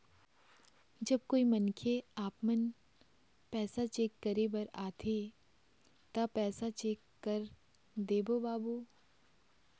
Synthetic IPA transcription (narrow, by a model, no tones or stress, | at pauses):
d͡ʒɐb̚koːimɐnkʰeaːpmən | pɛːsat͡ʃeːkːəɾebɐɾaːt̪ʰe | t̪ɐpɛːsat͡ʃeːkːɐɾ | d̪eːbobaːbu